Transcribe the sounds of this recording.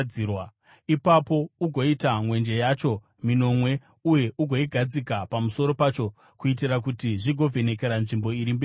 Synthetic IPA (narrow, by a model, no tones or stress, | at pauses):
iwa | ipapo̞uɡʱo̞itamwe̞nd͡ʒe̞jaːt͡ʃo̞ | mino̞mwe̞ | uje̞ʔuɡʱo̞iɡʱad͡zikapamuso̞ɾo̞paːt͡ʃo̞ | kuit̬irakutiʐiɡʱo̞vʱe̞ne̞k̬e̞ɾanʐimbo̞iɾimbeː